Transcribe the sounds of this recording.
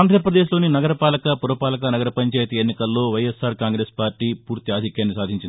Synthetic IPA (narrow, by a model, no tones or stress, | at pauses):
aːnd̪ʱɾɐɾɐpɾɐd̪e̞ːʃ̬lo̞ːninɐɡɐɾɐpaːlɐkɐpuɾɐpaːlɐk̬ɐnɐɡɐɾɐpɐɲt͡ʃaːjɐt̪ɐenːikɐlːo̞ːʋɐjesaːɾkaːŋɡɾe̞ːspaːɾʈiːpuːɾt̪iaːd̪ʱikjaːnːisaːd̪ʱiɲt͡ʃini